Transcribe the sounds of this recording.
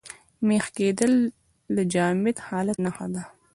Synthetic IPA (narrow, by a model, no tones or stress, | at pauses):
mexked̪əlː | əd͡ʒɑːmɪt̪hɑːlat̪naxa̰d̪a